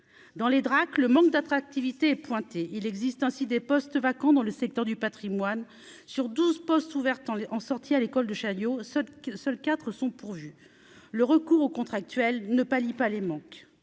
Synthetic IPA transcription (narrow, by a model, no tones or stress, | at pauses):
d̪ɑ̃led̪ʁakləmɑ̃k̚d̪at̪χak̚t̪ivit̪eɛpwɛ̃t̪eʔilɛɡzist̪ɛ̃sid̪epɔst̪vakɑ̃d̪ɑ̃ləsɛk̚t̪œʁd̪ypat̪χimwan | syʁd̪uzpɔst̪uvɛʁt̪ɑ̃ɑ̃sɔʁt̪ʰialekɔld̪əʃajosœlkʲat̪χəsɔ̃puʁvy | ləʁəkuʁokɔ̃t̪χak̚t̪ɥɛlnəpalipalemɑ̃k